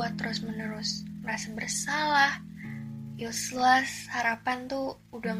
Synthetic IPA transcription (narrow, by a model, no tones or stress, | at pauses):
at̪ːəɾʊsmənəɾʊsməɾasabərsalah | juslashaɾapant̪u | uda